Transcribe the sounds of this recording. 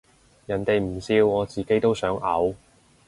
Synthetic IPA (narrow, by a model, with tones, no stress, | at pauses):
jɐ˨˩nt̪e˨jm̩˨˩siː˧wɔː˨˧t͡siː˨ke˥jt̪o˥wsœː˨˥ŋʔɐ̰˨˥w